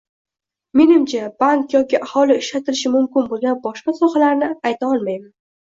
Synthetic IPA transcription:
me̞nɪmt͡ʃʰab̥aŋkjɒkʲɪʔahɒlˠɪɪʃlat̪ʰɪlɪʃɪmʊmkʲɪnbolˠɡʲanbɒʃqɑsɒχalaɾnɪajt̪ʰaɒlˠmajman

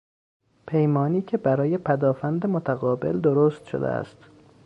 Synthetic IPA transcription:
pʰe̞jmɒːniːcʰebæɾɒːje̞pʰæd̪ɒːfænd̪emot̪ʰæɣɒːbe̞̰ld̪oɾost̪ʃo̰d̪ḛæ̰st̪

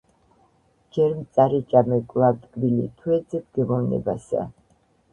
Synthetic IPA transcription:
d͡ʒɛɾmt̪sʼaɾit͡ʃʼamɛkʼlˠavt̪ʼkʼbilḭt̪ʰwɛd̪zɛb̚ɡ̥ɛmɔvnɛ̰ba̰sa̰

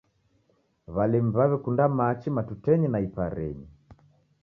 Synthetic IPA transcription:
βalɛm̩βaβɛkundamat͡ʃimatutɛɲinaipaɾɛ̰ɲi

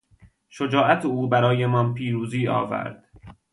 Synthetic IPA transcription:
ʃod͡ʒɒːæt̪ʰeuːbæɾɒːjemɒnpʰiːɾuːziːɒ̰ːvæ̰ɾd̪̥

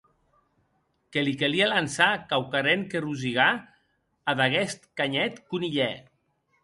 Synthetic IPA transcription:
kelikelialansakawkaɾeŋkeruziɣa | aðaɣɛst̪kaɲɛt̪kuniʎɛ

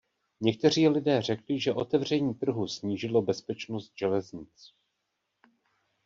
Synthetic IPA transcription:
ɲɛk̚t̪ɛr̝iːlɪdɛːr̝ɛklɪʒɛʔo̞t̪ɛvr̝ɛɲiːt̪r̩ɦusɲiːʒɪlo̞bɛspɛt͡ʃnost̪̚ʒ̥ɛlɛzɲɪt͡s

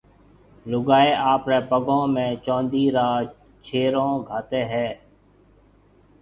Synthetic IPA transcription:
lʊɡaːeːʔaːpɾeːpəɡõːmẽːt͡ʃõːnd̪iːɾaː | t͡ʃʰeːɾõːɡʱaːt̪eːɦɛː

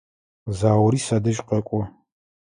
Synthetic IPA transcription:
zaːwɾiːsad̪ɐʃʼqʼɐkʷʼʊ

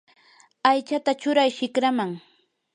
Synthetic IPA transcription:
ajt͡ʃat̪at͡ʃʊɾajʃɪkɾamaŋ

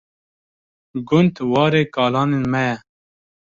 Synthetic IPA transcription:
ɡʊnt̪wɑːɾeːkɑːlɑːnenmɛjɛ

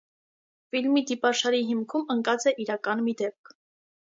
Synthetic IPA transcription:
filmid̪ipɑʃɑɾiɦimkʰuməŋkɑt͡sɛʔiɾɑkɑnmid̪ɛp̚kʰ

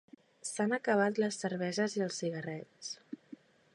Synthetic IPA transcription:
sanəkəβ̞at̪ləsːəɾβɛzəziəlˠsːiɣərɛt͡s

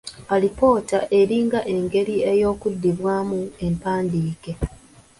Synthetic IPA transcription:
alipo̞ːtaʔe̞ɾiːŋɡaʔe̞ŋɡe̞ɾie̞jo̞ːkudːiβwaːmue̞mpaːndiːke̞

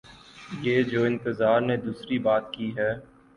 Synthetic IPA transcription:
jeːd͡ʒoːɪ̃nt̪əzaːɾned̪uːsɾibaːt̪kiɦɛː

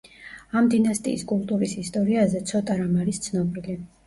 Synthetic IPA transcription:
amd̪inast̪ʼḭːskʼulˠt̪ʼuɾisist̪ʼɔɾiazɛt̪sʰɔt̪ʼaɾamaɾist̪sʰnɔbili

